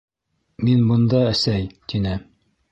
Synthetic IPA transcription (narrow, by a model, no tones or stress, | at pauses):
minbɤ̆nd̪ɑæsæjt̪inɘ